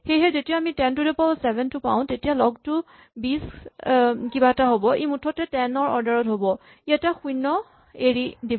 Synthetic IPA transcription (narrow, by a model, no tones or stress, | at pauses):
xejɦɛzetijaamitɛntudɛpɔsɛbʱɛntʊpaw̃tetijalɔɡ̚tu | bis | kibaɛtaɦobɔejmutʰːɔtɛtɛnɔɹɔɹdaɹɔtɦobɔ | iataxujnːɔ | eɹidib